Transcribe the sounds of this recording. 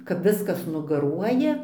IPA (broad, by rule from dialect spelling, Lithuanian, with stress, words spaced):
kɐp ˈʋʲɪskɐs nʊɡɐˈruɔjɛ